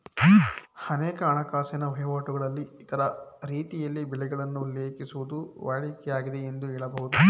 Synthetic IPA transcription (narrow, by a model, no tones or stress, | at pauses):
hɐneːkɐːɳɐkaːsɐnɐʋɐjʋaːʈuɡɐɭɐlːiːt̪ɐɾɐɾiːt̪ijɐlːibɛɭɛɡɐɭɐnːuleːkisuʋud̪uʋaːɭikɛjaːɡid̪e̞end̪uɛːɭɐbɐɦud̪u